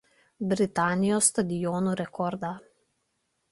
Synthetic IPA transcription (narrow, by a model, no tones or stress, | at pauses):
bɾit̪aːnijɔst̪ad̪ijoːnuɾɛkʰɔːɾd̪a